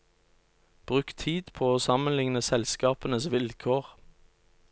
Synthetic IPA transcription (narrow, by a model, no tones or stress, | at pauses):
b̥ʁʉːkt̪ʰiːd̪pʰoːoːsɑmənlɪŋnəsɛlskɑːpənəsʋɪlkʰoːʁ